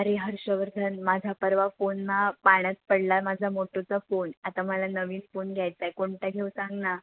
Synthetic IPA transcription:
əɾeɦəɾɕəʋəɾd̪ʱənmad͡zʱapəɾʋafonːapaɽ̃ət̪̚pəɽlamad͡zʱamoʈot͡safonat̪aməlanəʋiːnfonɡʱjajt͡sajkoɳʈaɡʱewsãŋɡna

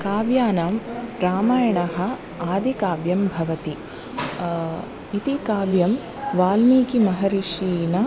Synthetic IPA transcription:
kaːʋjaːnaːmɾaːmaːjɐɳɐɦɐ̆ | aːd̪ikaːʋjɐmbʱɐʋɐt̪i | it̪ikaːʋjɐm | ʋaːlmiːkimɐɦɐɾiʃiːnɐ

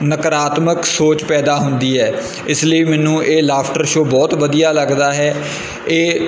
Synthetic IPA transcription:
nəkəɾaːt̪məksoːt͡ʃpɛːd̪aːɦʊnd̪iːɦɛː | ɪsləiːmɛːnũːʔeːlaːpʰʈəɾʃoːbɔːt̪ʋəd̪ijaːləɡd̪aːɦɛː | eː

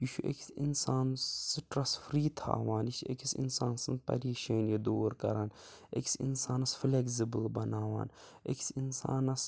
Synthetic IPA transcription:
juʃuʔḛkʰʲsinsaːnsɨʈɾɐsfɾiːt̪ʰa̰ːʋaːnisḛkʰisḭnsaːnsɨnpɐ̰ɾiːʃeːnjɐd̪oːɾkɐ̰ɾaːn | ḛkʲsḭnsaːnɐsfleksibɨlbɐnaːʋa̰ːnḛkʰʲi̥sinsa̰ːnɐs

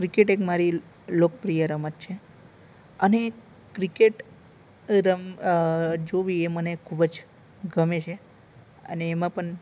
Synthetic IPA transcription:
kɾikeʈekmaɾi | lok̚pɾijəɾəmət̪̚t͡ʃʰe | əne | kɾikeʈ | ɾəm | d͡ʒoʋiemənekʰubəd͡ʒ | ɡʱəmet͡ʃʰe | ə̰neːmãpəɳ

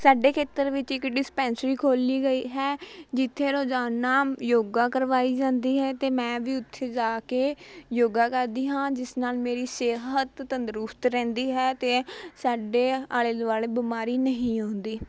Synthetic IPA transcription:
saːɖeːkʰeːt̪əɾʋɪt͡ʃɪkɖɪspɛ̃ːnsəɾiːkʰoːliːɡəiːɦɛːd͡ʒɪt̪ʰːeːɾoːd͡ʒaːnːaːmjoːɡaːkəɾʋaːiːd͡ʒãːnd̪iːɦɛːt̪eːmɛ̃ːʋiːʊt̪ʰːeːd͡ʒaːkeːjoːɡaːkəɾd̪iːɦãːd͡ʒɪsnaːlmeːɾiːseːɦət̪ːənd̪əɾʊst̪ɾɛ̃ːnd̪iːɦɛːt̪eːsaːɖeːaːleːd̪ʋaːleːbɪmaːɾiːnəɦĩːõːnd̪iː

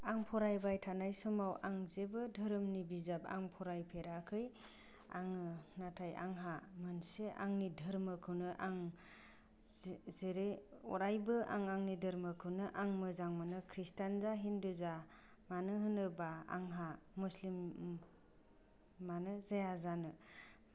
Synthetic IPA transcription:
aŋpʰɔɾajbajtʰanajsɔmawʔaŋzebɯdʱɯɾɯmnibizaba̰ŋpʰɔɾajpʰeɾakʰɯj | a̰ŋɯnatʰaja̰ŋɦamɯnseʔa̰ŋnidʱɯɾmɯkʰɯwnɯʔaŋ | zeɾeɔɾajbɯʔa̰ŋaŋnidɯɾmɯkʰɯwnɯʔaŋmɯzaŋmanɯkʰɾistanzaɦinduza | manɯɦɯnɯbaa̰ŋɦamuslim | anɯzajazanɯ

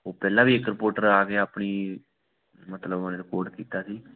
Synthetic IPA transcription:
oːpɛːlãːʋiːɪkɾɪpoːɾʈəɾaːkeːaːpɳiː | mət̪ləbənɾɪkoːɾɖkiːt̪aːsiː

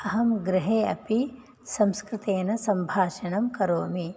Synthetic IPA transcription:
ɐɦɐmɡɾɪɦeːɐ̰pi | sɐmskɾɪt̪eːnɐsɐmbʱaːʃɐnɐmkɐɾoːmi

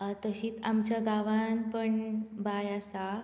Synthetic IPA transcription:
t̪əɕiːt͡samt͡ɕjaɡaʋanpəɳbajasa

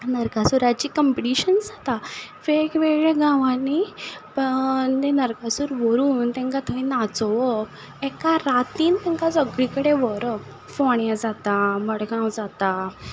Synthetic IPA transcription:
nəɾkasuɾat͡ɕiːkəmpiʈiɕənd͡zat̪afekʋeɭeɡãʋãnipənenəɾkasuːɾʋəɾuːnt̪ɛ̃ŋkat̪ʰəĩnat͡sɔʋɔ | ɛkaɾat̪iːnt̪ɛ̃ŋkat͡səɡɭikəɽeʋɔɾɔk | foɳjad͡zat̪aməɽɡãwd͡zat̪a

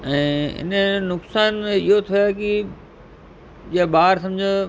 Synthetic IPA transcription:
ɛ̃ːɪ̰nənʊksaːnɪɦot̪ʰiaki | d͡ʑiabaːɾs̬ɐ̃md͡ʑʱə

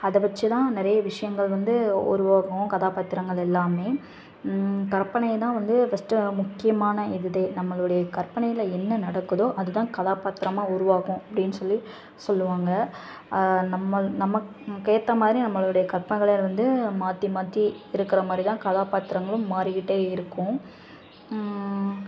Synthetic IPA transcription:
ɐðɯʋɐt͡ʃːɯt̪ãːnɪɾɐjɐʋɪʂɐjɐŋɡɐɭʋɐnd̪ɯʊ̰ɾʊʋaːɣʊ̃kɐðaːpaːt̪ːɪɾɐŋɡɐɭɛlːaːmeː | kɐɾpɐɳɐjt̪ãːʋɐnd̪ɯfɐsʈɯmʊkːɪjɐmaːnɐɪðɯðɐɪnɐmːɐɭɯɽɐjɐkɐɾpːɐɳɐjɪlɐɛnːɐnɐɽɐkːɯðõʔɐðɯt̪ãːkɐðaːpaːt̪ɪɾɐmaːʊɾʊʋaːɣʊ̃ɐpːɐɽɪnːɯsɔlːi | sɔlːɯʋaːŋɡɐ | nɐmːɐnɐmːɐ | keːt̪ːɐmaːðɪɾinɐmːɐɭɯɽɐjɐkɐɾpɐɳɐɪɣɐɭeʋɐnd̪ɯmaːt̪ːimaːt̪ːiɪɾɯkːɪɾɐmaːd̪ɾit̪ãːkɐðaːpaːt̪ːɪɾɐŋɡɐɭɯ̃mːaːɾɪɣɪʈːeːɪɾɯkːʊ̃

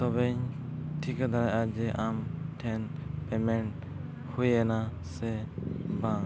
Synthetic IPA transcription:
sɔbɛɲʈʰikad̪aɾaʔad͡ʒɛʔamʈʰɛnpɛmɛɳʈ | hujɛna | sɛbã

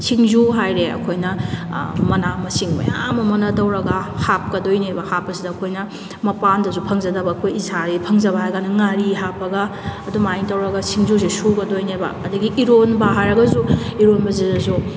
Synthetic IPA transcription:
sʰiŋzuɦajɾeɐ̰kʰojnɐ | mɐnamɐsiŋbɐ̰jamɐmɐnɐtɐwɾɐɡahap̚kɐdojnebɐhapːɐsidɐːkʰojnɐ | mɐpandɐzupʰɐŋzɐdɐbɐːkʰojisaɾipʰɐŋzɐβɐɦajɡanɐŋaɾiɦapːɐɡaːdumajŋtɐwɾɐɡɐsʰiŋzuz̬esuɡɐdojnebɐ̰ːdɐɡiʔiɾonbɐɦajɾɐɡɐzuiɾonbɐzedɐzu

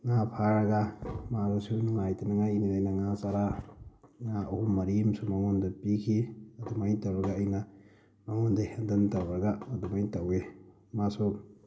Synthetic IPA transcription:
ŋapʰaɾɐɡamaɾasunuŋajtɐnɐŋajinilajnɐŋasaɾa | ŋaʔuhumːɐɾimsumɐŋondɐpikʰiɐdumajtɐwɾɐɡaːjnɐ | maŋondɐhendɐntɐwɾɐɡaɐdumajtɐwe | masu

